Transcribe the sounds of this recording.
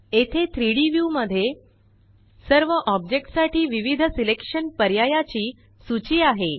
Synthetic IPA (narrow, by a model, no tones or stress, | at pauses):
et̪ʰet̪ʰɾiɽiʋjuməd̪ʱːje | səɾʋəʔɔb̚d͡ʑek̚ʈsaʈiːʋiʋid̪ʱəsilekʂənpəɾjajat͡ɕiː | sut͡ɕiːaɦe